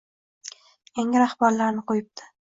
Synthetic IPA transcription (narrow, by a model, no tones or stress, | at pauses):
jaŋʲɪɾahbaɾlaɾnɪqojɪp̚d̪ʰɪ̥